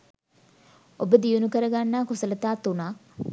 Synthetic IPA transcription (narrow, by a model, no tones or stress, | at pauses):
obəd̪ijunukəɾəɡanːaːkusələt̪aːt̪unaː